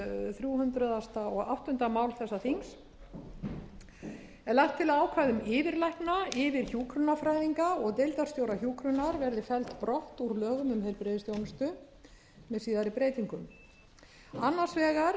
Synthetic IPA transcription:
θɾjuːhʏnt̪ɾaðast̪aɔɣa̰wht̪ʏnt̪amaːwlθɛsːaθiŋs | ɛlaht̪ʰːɪlaaːwkʰvajðʏmɪːvɪɾlajhknaɪvɪɾ̥çuːkɾʏnafɾajðiŋkaɔɣt̪ejlt̪aɾ̥st̪joːwɾaçuːkɾʏnaɾvɛɾðɪfɛlt̪pɾɔht̪uɾlœːɣʏmʏmhejɾpɾɪðɪst̪jownʏst̪ʏ | mɛðsiːðaɾɪpɾeːjt̪iŋkʏm | anːaɾ̥svɛːɣaɾ

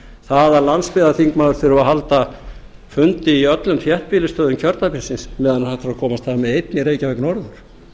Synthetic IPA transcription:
θaðaɾlanspɪðaθiŋkmaːwðʏɾ̥θɪɾɪvaɦalt̪afʏnt̪ɪiœt̪lʏmθjɛht̪̚piːlɪst̪œːðʏmcʰœɾt̪apinsɪnsmɛːðanahaht̪aɾakʰɔːmast̪ʰamɛðejt̪nɪɾeːjcavɛknɔɾðʏɾ̥

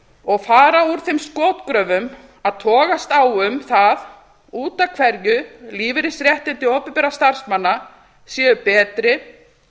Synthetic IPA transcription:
ɔɣfaːɾauɾ̥θejmskɔːt̪kɾœːvʏm | aðt̪ʰɔːɣast̪awʏmθað | uːt̪akʰvɛɾjʏliːvɪɾɪsɾjɛht̪ɪnt̪ɪɔːpɛmpɛːɾast̪ar̥smanːa | sjɛːʏpɛːt̪ɾɪ

